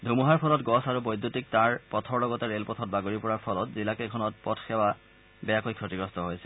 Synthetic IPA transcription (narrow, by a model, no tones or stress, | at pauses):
dʱumuɦaɹpʰɔlɔtɡɔsaɹubojd̪ʱːutik̚taɹpɔtʰɔɹlɔɡɔtɛɹelpɔtʰɔt̚baɡoɹipɔɹaɹpʰɔlɔtzilakɛkʰɔnɔt̚pɔtʰxɛwa | bɛakojkʰɹɔtiɡɹɔstɔɦojsɛ̥